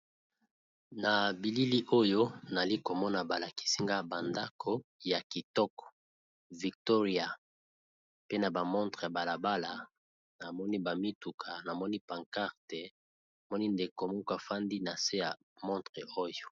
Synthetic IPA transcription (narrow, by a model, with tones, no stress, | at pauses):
na˨bi˨li˦li˦ʔo˦jo˦na˨li˦ko˨mɔ˦na˨ba˨la˨ki̥˦si˦ŋɡa˦˨ba˨nda˦kʰo˦ja˨ki˨tɔ˦kɔ̥˨ | vi˨k̚to˦ʁi˦a˨ | pe˦na˨ba˨mɔ̃˦ntʁe˨ja˨ba˨la˨ba˦la˨ | na˨mɔ˦ni˦ba˨mi˦tu˨kʰa˨na˨mɔ˦ni˦pa˨ŋka˦ʁte˨ | a˨mɔ˦ni˦nde˨ko˨mo˦ka˨fa˦ndi˦na˨se˦ja˨ | mɔ̃˦ntʁe˨o˦jo˨